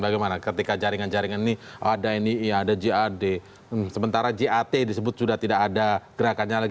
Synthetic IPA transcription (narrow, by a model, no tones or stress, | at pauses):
baɡajmanakət̪ikad͡ʒaɾiŋand͡ʒaɾiŋaniniadainiadad͡ʒiade | səmənt̪aɾad͡ʒeat̪edisəbʊt̪̚sudaht̪idakadaɡ̥əɾakanɲala